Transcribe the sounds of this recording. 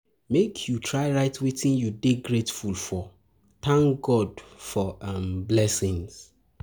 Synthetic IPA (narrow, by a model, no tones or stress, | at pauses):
mekʰjutʰɹaɪɹaɪtwitʰĩnjudeɡɹetfulfɔ | θãŋkɡɔdfɔãmblɛsĩŋs